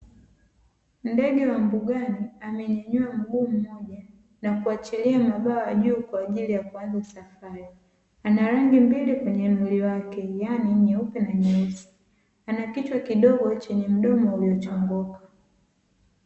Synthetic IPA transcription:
ndɛɡɛwam̩buɡaniamɛɲɛɲuam̩ɡuːm̩mɔʄa | nakuat͡ʃiliammaɓaɔjaʄuːkwaːʄilijakuanzasafaɾi | anaɾaŋɡimbilikwɛɲɛnuliwakɛjaniɲɛupɛnaɲɛusi̥ | anakit͡ʃwakiɗɔɡɔt͡ʃɛɲɛm̩ɗɔmɔhujɔt͡ʃɔŋɡɔkḁ

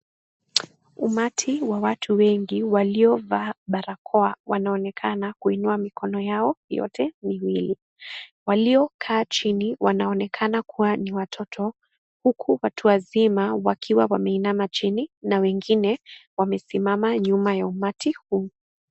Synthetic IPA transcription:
umatʰiwawatʰuwɛŋɡiwaliɔvaɓaɾakʰɔawanaɔnɛkʰanakuinuamikɔnɔjaɔjɔ̰tʰɛmiwili | waliɔkʰaːt͡ʃiniwanaɔnɛkʰanakʰuwaniwatʰɔtʰɔ | hukʰuwatʰuwazimawakʰiwawamɛinamat͡ʃininawɛŋɡinɛwamɛsimamaɲumajaumatʰihuː

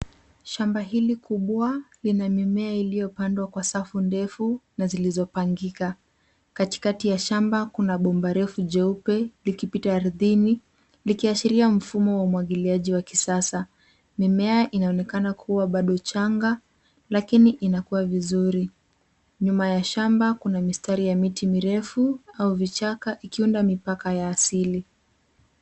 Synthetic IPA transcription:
ʃambaɦilikuɓwalinamimɛailijɔpandwakwasafundɛfunazilizɔpaŋɡika | kati̥katijaʃambakunaɓɔmbaɾɛfuʄɛupɛlikipitaːɾðini | likiaʃiɾiam̩fumɔwaumuwaɠiliaʄiwakisasa | mimɛaʔinaɔnɛkanakʰuwaɓaɗɔt͡ʃaŋɡa | lakiniʔinakuwavizuɾi | ɲumajaʃambakunamistaɾijamitimiɾɛfuauvit͡ʃakaʔikiundamipakajaːsili

